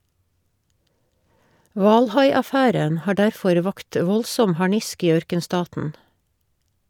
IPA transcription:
ˈʋɑːlˌhɑɪɑˌfæːɾən ˈhɑː ˈɖæɾˌfɔɾ ˈʋɑkt ˈʋɔlsɔm hɑˈɳɪsk ˈiː ˈœɾkənˌstɑːtn̩

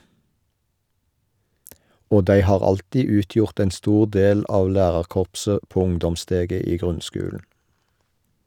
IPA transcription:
ˈoː ˈdæɪ ˈhɑːʁ ˈɑltiː ˈʉːˌtjʊʁt ˈɛn ˈstuːʁ ˈdeːl ˈʔɑːʋ ˈlæːʁɑʁˌkɔʁpsə ˈpoː ˈʊŋdɔmˌsteːɡə ˈiː ˈɡʁʉnˌskʉːln̩

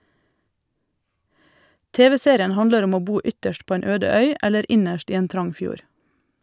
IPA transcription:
ˈteːʋɛ ˈseːɾɪən ˈhɑndləɾ ˈɔm ˈoː ˈbuː ˈʏtəʃt ˈpoː ˈeːn ˈøːdə ˈœʏ ˈɛləɾ ˈɪnəʃt ˈiː ˈeːn ˈtɾɑŋ ˈfjuːɾ

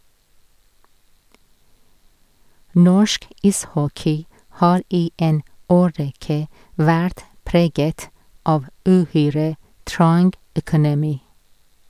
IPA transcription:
ˈnɔʃk ˈɪsˌhɔkɪ ˈhɑːɾ ˈiː ˈeːn ˈoːˌɹɛkə ˈʋæɾt ˈpɾeːɡət ˈɑʋ ʉˈhyːɹə ˈtɹɑŋɡ œkʊnɛˈmiː

